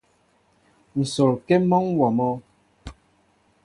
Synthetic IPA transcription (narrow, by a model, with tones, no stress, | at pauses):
n̩˨so˨lkɛ˦mɔ˦ŋwɔ˨mɔ˦